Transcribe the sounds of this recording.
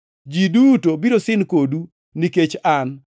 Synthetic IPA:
d͡ʒidutobiɾosɪnkodu | niket͡ʃan

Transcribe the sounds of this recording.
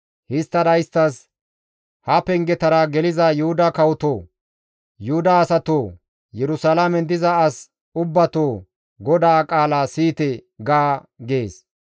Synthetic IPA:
hɪst̪ːɐd̪ɐjɪst̪ːɐs | hɐpɛŋɡɛt̪ɐɾɐɡɛlɪzɐjʊhʊd̪ɐkɐwʊt̪oː | jʊhʊd̪ɐːsɐt̪oː | jɛɾʊsalamɛnd̪ɪzɐːs | ʊbːɐt̪oː | ɡɔd̪aːkʼaːlaːsiːt̪ɛɡaːɡeːs

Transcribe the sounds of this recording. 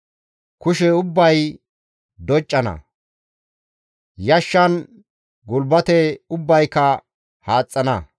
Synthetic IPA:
kʊʃɛʊbːɐj | d̪ɔt͡ʃʼːɐnɐ̰ | jɐʃːɐn | ɡʊlbɐt̪ɛʊbːɐjkɐ | haːt͡sʼːɐnɐ

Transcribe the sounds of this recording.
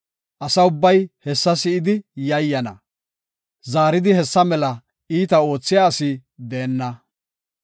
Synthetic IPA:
ʔɐsɐʊbːɐjhɛsːɐsɪɪd̪ɪjɐjːɐnɐ̰ | zaːɾɪd̪ɪhɛsːɐmɛlɐ | iːt̪ɐo̞ːt͡sːɪjaːsɪd̪eːnːɐ

